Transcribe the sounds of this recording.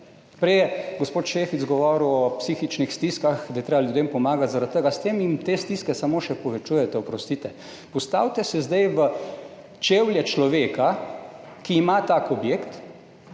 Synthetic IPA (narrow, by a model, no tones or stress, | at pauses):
pɾɛjɛɡospoːt̪ʃeːfit̪zɡɔʋɔːɾuwɔpsiːxit͡ʃnixst̪iskaxd̪ajɛt̪ɾeːbaljud̪eːmpɔmaːɡat̪zaɾat̪t̪ːəɡast̪eːmjimt̪est̪iskɛsamoːʃɛpɔʋɛt͡ʃuːjɛt̪ɛɔpɾɔst̪it̪ɛ | pɔst̪a̰ːwt̪ɛsɛzd̪ajʋə | t͡ʃeːwlʲjɛt͡ʃlɔʋeːka | kiːmat̪aːkɔbjeːkt̪